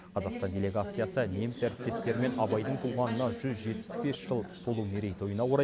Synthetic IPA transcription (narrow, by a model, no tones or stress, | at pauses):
qʰɑzɑqst̪ɑnd̪ʲe̞lʲe̞ɡat̪sɨjasəne̞mɪsæɾɪp̚t̪e̞st̪e̞ɾɪme̞nɑbɑjd̪əɴt̪ʰuʁɑnənɑʒʏzʒe̞t̪̚pɪ̥sbe̞sʒ̥əlˠbʰolˠuneɾejt̪ʰo̞jənɑwoɾɑ